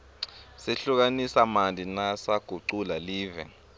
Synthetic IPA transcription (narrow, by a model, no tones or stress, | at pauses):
seɬuk̬anisamandʱinasaɡ̥ʱuǀulaliːvɛ̰